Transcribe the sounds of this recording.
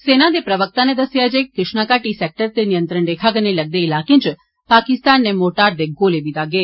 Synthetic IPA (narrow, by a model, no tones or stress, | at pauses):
senad̪epɾəʋək̚t̪aned̪əsjad͡ʒekɾɪʃɳakaʈisek̚ʈəɾt̪enijənt̪ɾəɳɖ̪ekʰaɡəneləɡ̚d̪eilakĩnt͡ʃ | pakɪst̪anːemoʈaɾd̪eɡolebid̪aɡe